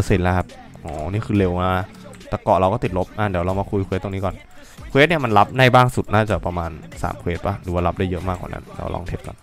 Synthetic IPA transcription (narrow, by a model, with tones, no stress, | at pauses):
ə˧se˨˩nla˧˦˥kʰa˦˥p̚ | ʔɔː˨˦niː˥˩xʰɯː˧le˧wmaː˧ | t̪ɛː˨˩kɔ˨˩ɾa˧wkɔː˥˩t̪i˨˩lo˦˥p̚ʔa˧˩di˨˦wɾa˧wmaː˧kʰu˧jkʰwe˦˥t̪ːo˧ni˦˥kɔː˨˩n | kʰweː˦t̪̚ni˥˩ma˧nla˦˥p̚na˥˩jbaː˥˩ŋsu˨˩t̪̚naː˥˩t͡ɕa˨˩pɾa˧maː˧nsa̰ː˩˦mkʰweː˦˥t̪̚pa˦˥ɾɯː˩˦waː˧˥˩la˦˥p̚da˥˩jɤ˦˥ʔmaː˥˩kʰwa̰ː˨˩na̰˦˥nɛ̰˨˧˦lɔ̰ː˧ŋt̪ʰe˦˥p̚ka̰˧˩n